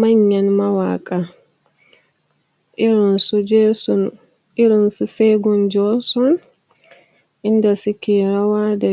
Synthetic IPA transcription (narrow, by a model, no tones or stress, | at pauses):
maɲːanmawa̰kʼa | iɾɔnsud͡ʒɛsɔn | iɾɔnsusɛɡɔnd͡ʒɔsɔn | ʔindasikiɾawadɛ